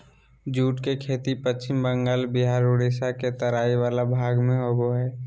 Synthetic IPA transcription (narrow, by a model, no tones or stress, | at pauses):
d͡ʒuːʈkekʰeːt̪ipət͡ʃːt͡ʃɪmbə̃ŋɡaːlbɪɦaːɾʊɽeːsaket̪əɾaːiʋaːlabʱaːɡmẽɦoboɦɛː